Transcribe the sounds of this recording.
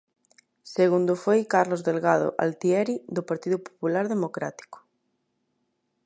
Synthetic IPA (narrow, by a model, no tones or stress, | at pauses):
seɣund̪ofojkaɾlozðelɣað̞o̰ʔa̰lt̪iɛɾiðopaɾt̪iðʊpo̥pulaɾðemokɾat̪i̥ko̥